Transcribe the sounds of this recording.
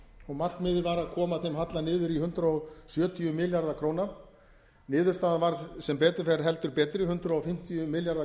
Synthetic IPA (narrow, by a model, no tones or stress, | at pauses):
ɔɣmar̥kmɪːðɪvaɾaðkʰɔːmaθejmɦat̪lanɪːðʏɾihʏnt̪ɾaɔsjœːt̪ʰiʏmɪljaɾðakʰɾoːwna | nɪːðʏɾ̥st̪aːðavaɾðsɛmpɛːt̪ʏfɛɾɦɛl̪t̪ʏɾpɛːt̪ɾɪhʏnt̪ɾaɔfɪm̥t̪ʰijʏmɪljaɾða